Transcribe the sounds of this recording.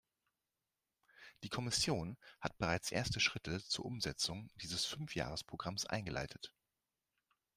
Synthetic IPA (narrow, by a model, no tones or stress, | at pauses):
d̥iːkʰɔmɪsjoːnhat̚b̥əʁaɪt͡sʔḛːɐstəʃʁ̥ɪtʰət͡suːɐʔʊmzɛt͡sʊŋd̥iːzəsfʏnfja̰ːʁ̞əspʁ̥oɡʁamsʔa̰ɪnɡəlʔa̰ɪtʰət